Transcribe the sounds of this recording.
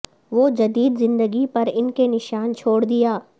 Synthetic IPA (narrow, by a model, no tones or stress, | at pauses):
ʋoːd͡ʒɐd̪iːd̪zɪ̃nd̪əɡipɐɾɪnkenɪʃaːnt͡ʃʰoːɽd̪ijaː